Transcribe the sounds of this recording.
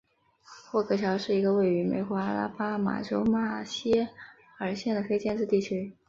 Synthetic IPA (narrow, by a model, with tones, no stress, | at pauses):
xwɔ˥˩kʰɤ˧˥t͡ɕʰjɑ˧˥ʊʂɻ̩˥˩i˧˥ɡə˧we˥˩ɪy˧˥mḛ˧˥ɪxwɔ˧˥a˥la̰˥pa˥ma̰˨˩ʈ͡ʂo˧˥ʊma˥˩ɕjɛ˥ | ə˞˧˥ɕjɛ˥˩nd̪ə˩fe˥ɪt͡ɕjɛ˥˧nʈ͡ʂɻ̩˥˧t̪i˥˩t͡ɕʰy˥